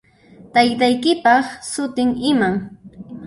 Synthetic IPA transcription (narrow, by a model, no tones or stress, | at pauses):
t̪ajt̪ajkɪpɑχsʊt̪ɪŋɪmaŋ